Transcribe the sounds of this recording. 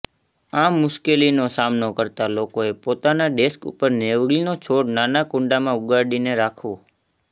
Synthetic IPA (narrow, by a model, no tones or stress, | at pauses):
amːʊʃkelinosamnokəɾt̪alokoepot̪anaɖeskṵpəɾneʋɡlinot͡ʃʰoɽnanakʊ̃ɳɖamãʊɡaɖineɾakʰʋo